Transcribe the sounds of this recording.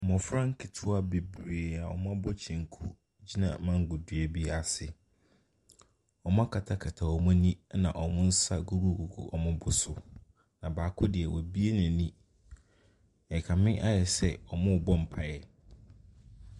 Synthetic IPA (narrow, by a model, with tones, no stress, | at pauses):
mɔ̃˨fɾã˦ŋ̩˦kʰi˨tʰʊ˦a˦be˨bɾeː˨a˨ɔ̰˨m˦ã˦bɔ˦t͡ɕʰĩ˨ŋ˨kʰu˦ | d͡ʑi˦nã̰˨mã˨ŋ˨ɡʊ˨dʊ˨ɛ˨bi˦a˨sɪ˨ | ɔ˨m˦ã˦kʰa˨tʰa˨kʰa˨tʰa˨ɔ˨mʊ̃˦nĩ˦nã˨ʔɔ˨mʊ̃˦n̩˦sa˦ɡu˦ɾu˦˨ɡu˨ɡṵ˨ʔɔ˨mʊ̃˦bʊ˦sʊ˨ | nã˨baː˨kʰʊ˦dɪ˨ɛ˨wɔ˨bi˦e˦nã˨nĩ˦ | ɛ˨kʰa˨mɪ̃˦ʔa˦jɛ˨sɛ˦ɔ˨mʊ̃˦˨bɔ˦m̩˨pʰa˦jɛ˨